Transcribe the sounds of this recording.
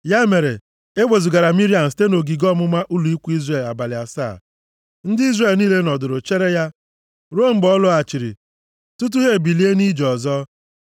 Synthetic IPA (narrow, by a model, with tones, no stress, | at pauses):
ja˦me˨ɾe˨ | e˦ɡ͡be˨zu˨ɡa˨ɾa˨mi˦ɾi˦a˨ste˦no˨ɡi˨ɡɔ˦mʊ˦ma˦ʔu˦lu˨i˦kʷu˦i˦zre˨la˨ba˨lɪ˨a˨sa̰˦˨ | n̩˦dɪ˦i˦zre˨lniː˦le˦nɔ˨dʊ˨ɾʊ˨t͡ʃe˦ɾe˦ja˦ | ɾo˦m̩˨ɡ͡bɔ˦lʊ˦a˨t͡ʃi˨ɾḭ˨ | tu˦t̬u˦ɦe˦˨bi˨li˦e˦ni˦d͡ʒɔ˨zɔ˦